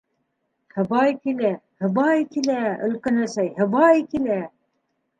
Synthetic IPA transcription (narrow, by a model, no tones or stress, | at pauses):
hɤ̆bɑjkilæhɤ̆bɑjkilæɵ̆lkænæsæjhɘ̆bɑjkilæ